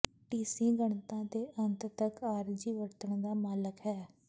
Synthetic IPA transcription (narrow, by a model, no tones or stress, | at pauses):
ʈiːsĩːɡəɳt̪ãːd̪eːʔənt̪t̪əkaːɾd͡ʒiːʋəɾt̪əɳ̃d̪aːmaːləkɦɛː